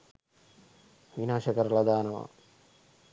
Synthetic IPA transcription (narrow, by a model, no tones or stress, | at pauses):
ʋinaːʃɐkəɾlɐd̪aːnɐʋa̰ː